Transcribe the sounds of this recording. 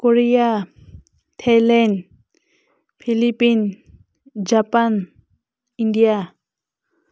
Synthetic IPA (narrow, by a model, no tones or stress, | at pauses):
koɾija | tʰalɛn | pʰilipin | d͡ʒapan | iɳɖija